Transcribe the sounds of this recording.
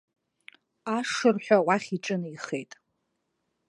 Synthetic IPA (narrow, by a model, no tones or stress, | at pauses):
aʂɨrħʷᶣawaχʲiʈ͡ʂʼɨniχejtʼ